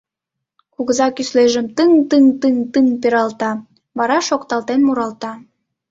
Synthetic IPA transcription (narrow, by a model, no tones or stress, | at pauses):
kuɣəzɑkysleʒəmt̪ɨŋt̪ɨŋt̪ɨŋt̪ɨŋpeɾɑlt̪ɑ | βɑɾɑʃokt̪ɑlt̪enmuɾɑlt̪ɑ